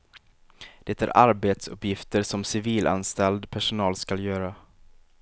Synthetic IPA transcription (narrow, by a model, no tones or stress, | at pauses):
d̪̥ɛt̪æ̰ɾʔaɾbeːt̪sɵ̰pːjɪft̪əɾʂɔmsɪviːlʔa̰nst̪ɛld̪pʰæʂʊnɑːlskaljœːɾa